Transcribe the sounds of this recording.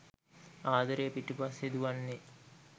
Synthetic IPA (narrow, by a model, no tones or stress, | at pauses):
aːd̪əɾejpiʈupased̪uʋanːe